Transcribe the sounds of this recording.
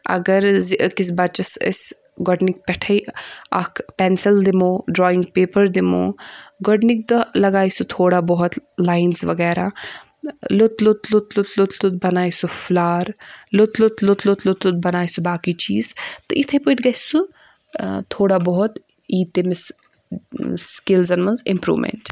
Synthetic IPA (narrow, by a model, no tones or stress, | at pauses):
ɐ̰ɡəɾziʔkis̬baːd̪̚t͡ʃɐsə̰s | ɡɔɖnik̚pɛʈʰəjɐ̰kpɛnsɐld̪imoːɖɾɔːiŋɡpeːpəɾd̪imo̰ːɡɔɖnik̚t̪ɐlɐɡaːjsut̪ʰoːɽabɔɦʊt̪laːjnsʋɐɡɛːɾa | lut̪lut̪lut̪lut̪lut̪lut̪̚bɐnaːjsufʰlaːɾlut̪lut̪lut̪lut̪lut̪lut̪̚bɐnaːjsubaːkit͡ʃiːzt̪ɐʔit̪ʰəpuiʈɡɐsu | t̪ʰoːɽabɔɦut̪ | iːt̪emes | skilzɐnmɐnzḭmpɾṵːʋmḛɳʈ